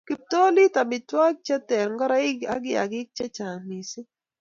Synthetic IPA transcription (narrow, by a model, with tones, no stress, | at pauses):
ki˨p̚t̪o˦li˦ta˨mɪ˨twa˦k̚t͡ʃɛ˦tɛ˨ɾŋɡɔ˦ɾa˦ɪ˦ɡa̰˦ɡɪ˦a̰˨ɡɪ˦k̚t͡ʃɛ˦t͡ʃa˨mi˨si˦